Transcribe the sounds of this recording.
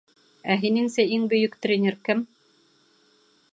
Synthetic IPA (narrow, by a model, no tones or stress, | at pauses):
æɦinɘŋsæiŋbɵ̆jɵkt̪rʲenʲeɾkɘm